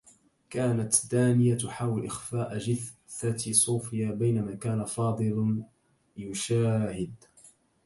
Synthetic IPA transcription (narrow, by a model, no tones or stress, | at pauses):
kaːnat̪d̪aːnɪjat̪ʊħaːwɪlʔɪxfaːʔd͡ʒɪθ | θat̪sˤuːfɪjaːbajnamaːkaːnafɑːd̪ˤɨl | jʊʃaːhɪd̪